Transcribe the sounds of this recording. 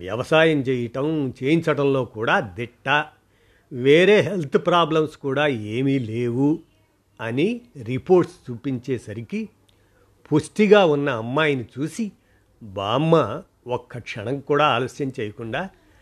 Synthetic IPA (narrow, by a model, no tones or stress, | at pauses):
ʋjɐ̰ʋɐsaːjɐmt͡ʃɛːjɐʈɐmt͡ʃeːjiɲt͡ʃɐʈɐmlo̞ːkuːɽaːd̪iʈːɐ | ʋeːɾe̞ːɦelt̪ʰupɾaːblɐmskuːɽaːeːmiːleːwu | ɐniɾipoːɾʈst͡ʃuːpiɲt͡ʃeːsɐɾiki | pʰusʈiɡaːunːɐːmːaːjnit͡ʃuːsi | baːmːɐ | okːɐkʂɐnɐŋkuːɽaːaːloːsjɐmt͡ʃɛːjɐkuɳɖaː